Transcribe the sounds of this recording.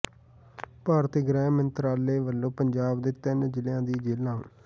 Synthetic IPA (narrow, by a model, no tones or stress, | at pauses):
paːɾət̪eɡɾɛːmənt̪əɾaːleːʋəlːõːpəɲd͡ʒaːbd̪ɪːt̪ːənd͡ʒɪljãːd̪iːd͡ʒeːlã̰ː